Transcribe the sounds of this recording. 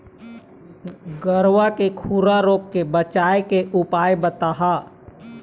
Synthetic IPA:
ɡəɾwakekʰuɾaɾoːkkebət͡ʃaːekeʔʊpaːjbət̪aɦaː

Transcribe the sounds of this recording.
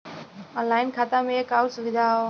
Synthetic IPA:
ənlaːɪnkʰaːt̪amẽkaːsʊɡd͡ʒaːɦoː

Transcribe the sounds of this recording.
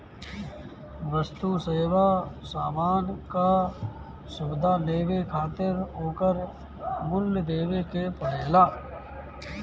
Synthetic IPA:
ʋəst̪useːʋaːsaːmaːnka | sʊbɪd̪ʱaleːwekʰaːt̪ɪɾɦoːkəɾ | mʊljəd̪eːʋekepəɽɛːlaː

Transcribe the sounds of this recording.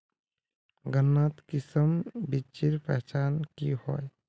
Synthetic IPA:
ɡənːat̪kɪsəmbit͡ʃiɾpɛɦt͡ʃaːnkiho̰ːj

